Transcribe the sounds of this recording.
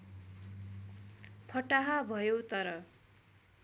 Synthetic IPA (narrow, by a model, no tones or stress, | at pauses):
pʰʌʈaɦabʱʌjot̪ʌɾʌ